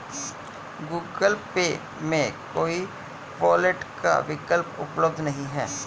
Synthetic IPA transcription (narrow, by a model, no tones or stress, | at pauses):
ɡuːɡəlpeː | mẽkoːi | pɔːleʈka̰ʋɪkəlpʊ̰pləb̚d̪ʱnɐɦĩɦɛ̰ː